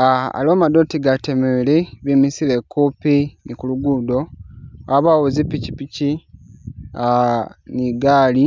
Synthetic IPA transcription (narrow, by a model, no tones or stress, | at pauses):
aa̰loːmadoːtiɡatemeleβimisilekːupinikuluɡudo̞aβawozipːicipici | aniɡaːli